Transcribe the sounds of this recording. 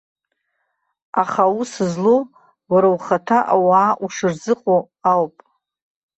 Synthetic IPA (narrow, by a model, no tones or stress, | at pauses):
aχausɨzlo | waɾawχatʰaʔa̰waːʔuʂɨrzɨqʼo | awpʼ